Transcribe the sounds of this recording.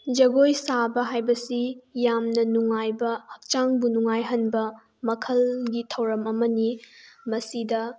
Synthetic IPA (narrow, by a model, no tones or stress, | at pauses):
d͡ʒɐɡojsabɐɦajbɐsijamnɐnuŋajbɐhɐk̚t͡ʃaŋbunuŋajɦɐnbɐ | mɐkʰɐlɡitʰɐwɾɐmɐmɐnimɐsidɐ